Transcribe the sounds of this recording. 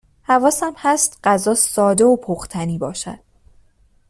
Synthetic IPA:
hævɒːsæmhæst̪ɢ̥æzɒːssɒːd̪e̞opʰoχt̪ʰæniːbɒ̰ːʃæ̰d̪̥

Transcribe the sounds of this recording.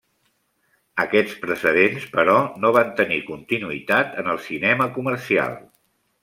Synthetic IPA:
əkɛt͡spɾəsəðenspəɾɔnoβ̞ant̪ənikunt̪inuit̪at̪ənəlˠsinɛməkuməɾsia̰lˠ

